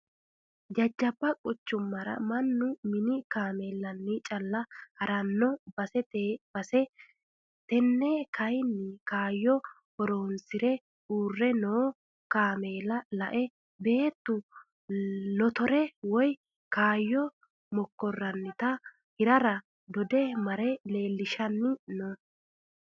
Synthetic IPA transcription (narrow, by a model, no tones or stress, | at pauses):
d͡ʒɐd͡ʒːɐbːɐkʼɔt͡ʃːʊmːɐɾɐ̰mɐnːʊmɪnɪkaːmeːlːɐnːɪt͡ʃʼɐlːɐhɐɾɐnːɔbɐsɛt̪eːb̥ɐsɛ | t̪ɛnːɛkɐjnːɪkaːjːɔ | hɔɾoːnsɪɾɛ | uːrːɛnoː | kaːmeːlɐlɐʔɛ | be̞ːt̪ːʊ | nɔt̪ɔɾɛwɔj | kaːjːɔ | mɔkːɔrːɐnːɪt̪ɐ | hɪɾɐɾɐ | d̪ɔd̪ɛmɐɾɛle̞ːlːɪʃɐnːɪnɔ